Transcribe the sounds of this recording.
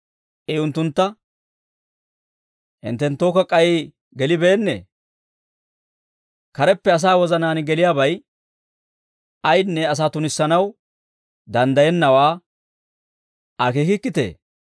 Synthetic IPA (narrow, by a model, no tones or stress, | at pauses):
ʔɛʊnt̪ːʊnt̪ːɐ | hɪ̰nt̪ːɛnt̪ːoːkɐkʼɐjɪ | ɡɛlɪbe̞ːnːḛː | kɐɾɛpːɛɐs̬aːwɔzɐnaːnɡɛlɪjaːbɐj | ɐjnːɛɐs̬aːt̪ʊnɪsːɐnɐw | d̪ɐnd̪ɐjɛnːɐwaː | ʔɐkeːkɪkːɪt̪ḛː